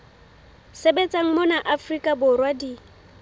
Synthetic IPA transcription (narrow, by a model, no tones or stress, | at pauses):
sebet͡sʼaŋ̩mʊnaʔafrikʼabʊrwadi